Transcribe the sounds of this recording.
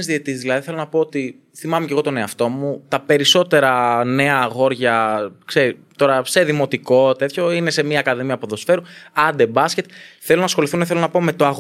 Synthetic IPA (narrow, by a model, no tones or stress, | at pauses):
zðiet̪iszðilɐðiθelo̞nɐpo̞ot̪i | θimɐmece̞ɣo̞t̪one̞ɐft̪o̞mut̪ɐpe̞ɾiso̞t̪e̞ɾɐne̞ɐɣo̞ɾʝɐkseɾit̪o̞ɾɐse̞ðimo̞t̪iko̞t̪e̞t̪ço̞inese̞miɐːkɐðimiɐpuðo̞sfe̞ɾuɐnd̪e̞bɐsce̞t̪θelonɐsxo̞liθunθelo̞nɐpo̞met̪o̞ɐɣ